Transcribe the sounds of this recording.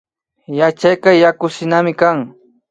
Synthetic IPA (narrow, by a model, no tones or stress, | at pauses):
jat͡ʃajkɑjakʊsɪnamɪkaŋ